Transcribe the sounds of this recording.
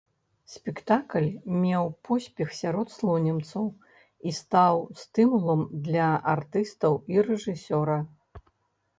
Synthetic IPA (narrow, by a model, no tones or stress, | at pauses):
sʲpʲɛkt̪aklʲmʲɛwpʰɔsʲpʲɛxsʲaɾɔt̪slˠɔnʲɛmt̪sɐw | ist̪awst̪ɨmulˠɐmd̪lʲɐʔart̪ɨst̪ɐwiɾɛʐɨsʲɔɾɐ